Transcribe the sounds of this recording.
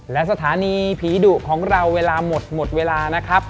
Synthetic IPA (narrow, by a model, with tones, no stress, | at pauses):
lɛ˦˥ʔsa˧t̪ʰaː˩˦niː˧pʰiː˨˩˦duː˨˩kʰɔː˩˦ŋɾa˧wːeː˧laː˧mo˨˩t̪̚mo˨˩t̪̚weː˧laː˧na˦˥kʰɾa˦˥p̚